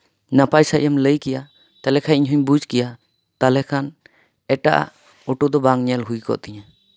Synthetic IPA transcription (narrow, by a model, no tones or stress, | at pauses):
napajsaʔamləjkɛja | t̪alɛkʰaiɲɦuɲbud͡ʒkɛja | t̪alɛkʰan | ɛʈaʔa̰ʔ | ɔʈud̪ɔbaŋɲɛlɦujkɔ̰ʔt̪ɛɲa